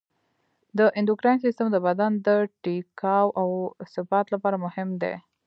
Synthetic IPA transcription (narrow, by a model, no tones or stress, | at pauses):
d̪əʔɪnd̪ʊkɾajnsist̪əmd̪əbad̪and̪əʈikɑwawsɪfat̪lapɑɾamʊhɪmd̪ḛ